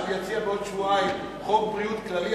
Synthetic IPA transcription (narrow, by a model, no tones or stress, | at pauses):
vejat͡siabeod̪ʃvuaim | χombʁijut̪klali